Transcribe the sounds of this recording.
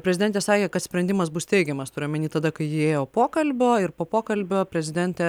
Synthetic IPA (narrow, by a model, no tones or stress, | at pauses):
pʲɾʲɛzʲɪd̪ʲɛnt̪ʲɛːsɑːkʲeːkɐt̪sʲpʲɾʲɛnʲd̪ʲɪmɐsbʊst̪ʲɛɪɡʲɛmɐst̪ʊːɾʲɪmʲɛnʲiːt̪ɐd̪ɐkɐɪjɪeːjoːpoːkɐlʲbʲoːɪɾpoːpoːkɐlʲbʲoːpʲɾʲɛzʲɪd̪ʲɛnʲt̪ʲɛ